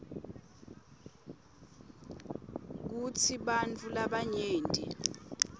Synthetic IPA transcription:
k̬ut͡sʰiɓant͡fʰʼulaɓaɲeːndʱi

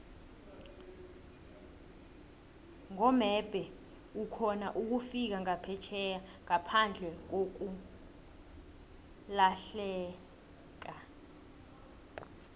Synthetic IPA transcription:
ŋɔmɛb̥ʱɛ | ukʰɔna̰ʔuk̬ufik̬aŋapʰɛt͡ʃʰɛjaŋapʰand͡ɮʱɛk̬ok̬u | laɬɛː | k̬a

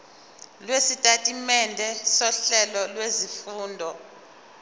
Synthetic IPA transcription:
lwesitʼatʼimɛndʱɛsɔɬɛlɔlwezifuːndʱɔ

